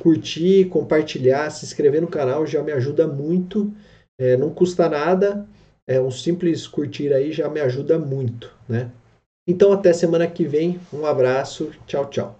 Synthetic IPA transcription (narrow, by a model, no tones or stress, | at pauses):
kuɾt͡ʃikõmpaɾt͡ʃiʎasɪĩskɾevenʊkanawʒamɪaʒud̪ɐmũj̃t̪ʊ | ɛnɐ̃w̃kust̪ɐnad̪ɐ | ɛũsĩplɪskuɾt͡ʃiɾaiʒamɪaʒud̪ɐmũj̃t̪ʊ̥nɛ | ẽnt̪ɐ̃w̃at̪ɛɐsemɐ̃nɐkɪvẽj̃ũabɾasʊt͡ʃawt͡ʃa̰w